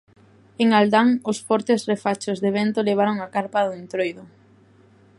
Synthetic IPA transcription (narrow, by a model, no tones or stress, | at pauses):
eŋald̪aŋʊsfɔɾt̪esrefat͡ʃozðeβent̪oleβ̞aɾoŋakaɾpaðʊent̪ɾojðʊ